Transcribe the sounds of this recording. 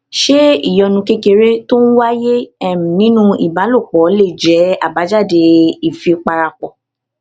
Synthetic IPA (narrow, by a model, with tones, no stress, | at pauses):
ʃe˦ḭ˦˨jɔ˧nũ˧ke˦ke˧ɾe˦to˦n̩˦wa˦je˦ɛ̃˦˨nĩ˨˦nũ˦ḭ˨ba˨˦lo˦˨k͡pɔ˨˦le˦˨d͡ʒɛ˨˦a˦˨ba˨˦d͡ʒa˦˨de˧i˦˨fi˧k͡pa˧ɾa˧k͡pɔ˨